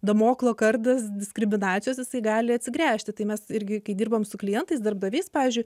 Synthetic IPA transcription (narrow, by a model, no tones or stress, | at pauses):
d̪ɐmoːklˠoːkɐrd̪ɐsd̪ʲɪskɾʲɪmʲɪnɑːt͡s̪sʲɪjoːsjɪsɐɪɡɑːlʲɪɐt̪ʲsʲɪɡɾʲæːʃʲt̪ʲɪt̪ɐɪmʲɛsɪɾʲɡʲɪkɐɪd̪ʲiːrbɐmsʊklʲɪjɛnt̪ɐɪsd̪ɐrbd̪ɐʋʲeɪspɑːʋʲɪːzʲd͡ʒʲʊɪ